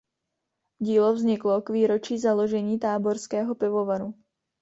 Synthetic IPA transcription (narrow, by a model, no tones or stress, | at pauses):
ɟiːlovzɲɪklo̞kviːɾo̞t͡ʃiːzalo̞ʒɛɲiːt̪aːbo̞ɾskɛːɦo̞pɪvo̞vaɾu